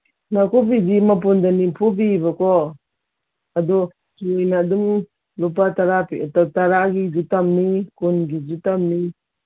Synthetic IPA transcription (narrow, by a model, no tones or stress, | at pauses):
nakupidimap̬undanipʰupibakɔ | adɔ | sjnadum | lup̬ataɾapitataɾaɡizutamːikunɡizutamːi